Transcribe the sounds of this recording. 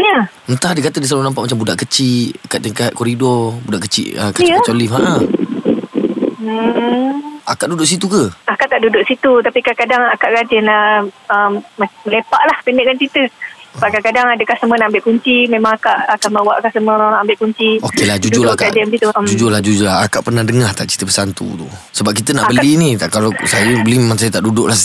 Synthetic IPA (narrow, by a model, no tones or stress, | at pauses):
ɲə | ənt̪ahdəkat̪ədislalunãmpaʔmat͡ʃambudaʔkət͡ʃiʔakaʔt̪əŋkat̪̚koɾidɔrbudaʔkət͡ʃḭʔəkajət͡ʃolifɦaʔa | m̩ | akaʔdudʊʔs̬it̪ukəakaʔt̪aʔdudʊʔsit̪ut̪apikakadaŋakaʔkad͡ʒɛnlaəmmməlepaʔlahpənɛʔkant͡ʃit̪əbaʔkakadaŋadəkahsəmənaʔambɪʔkuɲt͡ʃimẽmaŋakaʔakaməwaʔkasəməoɾãambɪʔkuɲt͡ʃiokelad͡ʒud͡ʒʊlakad͡ʒɛnɡit̪ud͡ʒud͡ʒʊlahd͡ʒud͡ʒʊlaɦakaʔpərnahdəŋaht̪aʔt͡ʃi̥t̪əbəsant̪ṵt̪ṵsəbap̚kit̪ənaʔbəlinikalasajəbəlimemaŋsajət̪aʔdudʊʔla